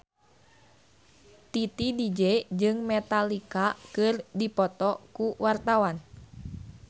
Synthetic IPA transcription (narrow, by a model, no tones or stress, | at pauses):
t̪it̪idid͡ʒɛd͡ʒɨŋmɛt̪alikakɨrdipɔt̪ɔkuwart̪awan